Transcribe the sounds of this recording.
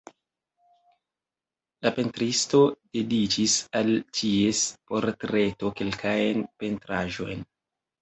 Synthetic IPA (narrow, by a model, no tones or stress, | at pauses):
lape̞ntɾisto̞d̥e̞dit͡ʃisaltie̞spo̞ɾtɾe̞to̞ke̞lkʰajnpe̞ntɾaʒo̞̰jn